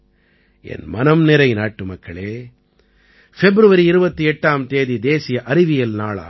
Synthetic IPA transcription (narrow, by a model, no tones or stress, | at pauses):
ḛːnmɐnɐmnɛɾɐjinaːʈːumɐkːɐɭeː | pʰebɾuʋɐɾiːɾuʋɐt̪ːuɛʈːaːmt̪eːd̪id̪eːsijɐʔɐɾiʋijɐlnaːɭɐ̰